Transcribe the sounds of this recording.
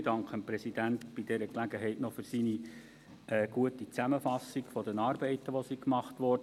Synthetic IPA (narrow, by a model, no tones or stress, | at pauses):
dɑŋkχəmpɾɛsid̥ænt̪b̥idɛɾəklæɡəɦɛɪtnɔfʏɾsiːni | ʔɛːɡ̥uətit͡sæməfɑsːiɡfɔdɛnɑːɾbɛɪtəʋɔsikmɑχtʋɔrd